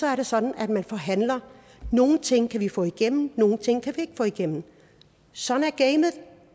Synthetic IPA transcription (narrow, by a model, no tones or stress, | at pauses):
sɒ̽æɐɾe̝sɒ̽d̥n̩æd̥mænfɒ̽ɦæn̰lɐ | no̝ːn̩t͡sʰe̝ŋ̰kʰæʋifɔ̰̽ːiɡ̥em̰m̩no̝ːn̩t͡sʰe̝ŋ̰kʰæʋie̝ɡ̥əfɔ̰ːiɡ̥em̰m̩n̩ | sɒ̽næɐɡ̥eɪmð̩ˠ